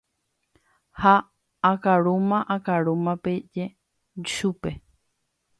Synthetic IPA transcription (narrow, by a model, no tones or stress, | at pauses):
haː | kaɾumãʔakaɾumãped͡ʒe | ʃupe̞